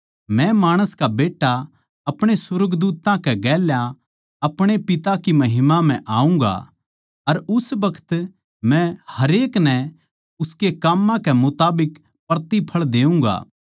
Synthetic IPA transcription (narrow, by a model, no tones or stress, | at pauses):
mɛ̃maːɽ̃əskabeːʈːa | ɐpɽ̃esʊɾəɡd̪uːt̪ãkɛɡɛːlja | ɐpɽ̃epɪt̪akimɐɦɪmam̤ɛ̃ʔaːũŋɡa̰ | ɐɾʊsbɐkʰə̥t̪ | mɛ̃hɐɾeːknɛ̃ | ʊskekaːmːãkɛmʊt̪aːbɪk | pɐɾt̪ipʰɐɭd̪eːũŋɡa̰ː